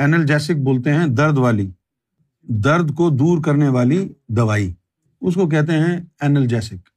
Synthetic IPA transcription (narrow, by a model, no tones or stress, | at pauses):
ɛːnəld͡ʒɛːsɪk̚boːlt̪eɦɛ̃d̪ɐɾd̪ʋaːli | d̪ɐɾd̪kod̪uːɾkɐɾneʋaːlid̪ɐʋaːi | ʊskok̬ɛɦt̪̬eɦɛ̃ɛːnəld͡ʒɛːsɪk